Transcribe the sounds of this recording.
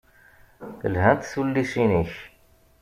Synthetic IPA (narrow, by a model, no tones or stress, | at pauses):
θəlhænt̪sulːiʃiniç